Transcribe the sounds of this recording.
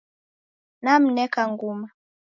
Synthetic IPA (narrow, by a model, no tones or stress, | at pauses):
nam̩nɛkaŋɡuma